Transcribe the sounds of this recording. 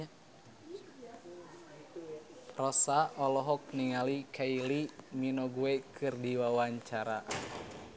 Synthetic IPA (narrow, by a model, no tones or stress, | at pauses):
rɔsaʔɔlɔɦɔk̚niŋalikʰailiminɔɡuekʰɨrdiwawaɲt͡ʃaɾa